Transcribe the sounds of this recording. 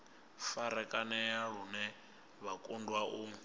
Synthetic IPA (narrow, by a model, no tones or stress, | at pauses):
faɾɛkʼanɛjaɺ̤unɛ | βakʼundwaʔu